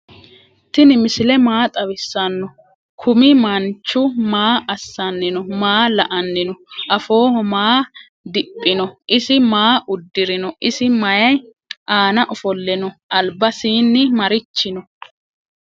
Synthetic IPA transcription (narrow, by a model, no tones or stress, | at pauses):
t̪ɪnɪmɪsɪlɛmaːt̪ʼɐwɪsːɐnːɔ | kʰʊmɪmɐnt͡ʃːʊmaːʔɐsːɐnːɪnɔmaːlɐʔɐnːɪnɔʔɐfo̞ːhɔmaː | d̪ɪpʼːɪnɔʔɪsɪmaːʔʊd̪ːɪɾɪnɔʔɪsɪmɐjɐj | ʔaːnɐʔɔfɔlːɛnɔʔɐlbɐsiːnːɪmɐɾɪt͡ʃːɪnɔ